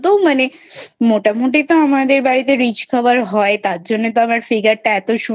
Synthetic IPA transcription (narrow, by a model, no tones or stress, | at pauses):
t̪omane | moʈamoʈet̪oamad̪eɾbaɾit̪eɾid͡ʑkʰɔbaɾɦɔet̪aɾd͡ʑonːet̪oamaɾfiɡaɾʈaɛt̪oʃu